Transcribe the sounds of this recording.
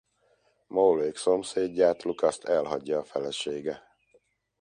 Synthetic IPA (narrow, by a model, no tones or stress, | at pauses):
mowleːkso̞mseːɟːaːt̪lukɒst̪ɛlɦɒɟːɒːfɛlɛʃeːɡɛ